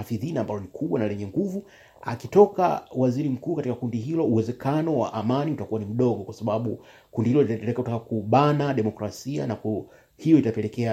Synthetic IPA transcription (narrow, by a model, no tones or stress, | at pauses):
afiðinaːmbalɔnikʰuɓwanalɛɲɛŋɡuvu | a̰kitɔka̰waziɾim̩kuːkatikakundiɦilɔuwɛzɛkanɔwa̰ʔamaniutakuanim̩ɗɔɠɔkwasaɓaɓu | kundihilɔlitaɛlɛkautakakuɓanaɗɛmɔkɾasia̰naku | hijɔitapɛlɛkɛa